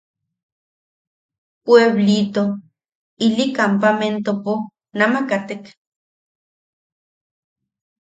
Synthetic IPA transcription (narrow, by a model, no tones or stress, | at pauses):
pweβlit̪o | ilikampament̪opo | namakat̪ek